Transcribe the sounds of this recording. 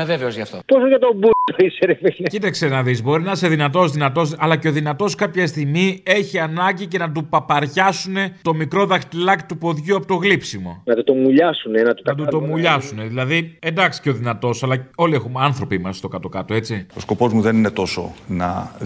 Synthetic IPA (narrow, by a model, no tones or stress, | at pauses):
eveveozʝɐft̪ot̪osoʝɐt̪o̞but̪oiseɾevecit̪ɐksenɐðizbo̞ɾinɐseðinɐt̪̬o̞zðinɐt̪o̞sɐlɐce̞o̞ðinɐt̪o̞skɐpçɐst̪iɣmie̞çiɐnɐɲɟice̞nɐt̪upɐpɐɾʝɐsune̞t̪o̞mikɾo̞ðɐxt̪ilɐkt̪upo̞ðʝuɐpo̞t̪oɣlipsimo̞̰nɐt̪ut̪o̞muʎɐsunenɐt̪ut̪ɐɐt̪ut̪o̞muʎɐsune̞ðilɐðie̞nd̪ɐksi̥ceo̞ðinɐt̪o̞sɐlɐo̞lie̞xumeɐnθɾo̞pimɐst̪o̞kɐt̪o̞kɐt̪o̞e̞t͡sio̞sko̞po̞zmuðe̞nine̞t̪o̞so̞̰nɐ̰